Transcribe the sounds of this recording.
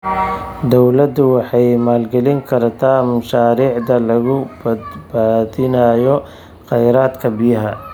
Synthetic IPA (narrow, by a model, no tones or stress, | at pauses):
d̪ɔwlɐd̪ʊwɑħɑjmaːlɡɛlɪŋkʰɐrt̪ʰaːmɐʃaːɾiːʕd̪ɐlɐɣʊbɐd̪baːðɪnɐjɔ | qɛjɾaːd̪kʰɐbɪjɐɦɐ